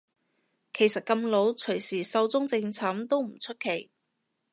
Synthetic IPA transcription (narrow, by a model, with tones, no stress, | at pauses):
kʰe˨˩jsɐ˨t̚kɐ˧mlo˨˥wt͡sʰɵ˨˩ɥsiː˨˩sɐ˧wt͡sʊ˥ŋt͡sɪ˧ŋt͡sʰaː˨˥mt̪o˥wm̩˨˩t͡sʰɵ˥t̚kʰe˨˩j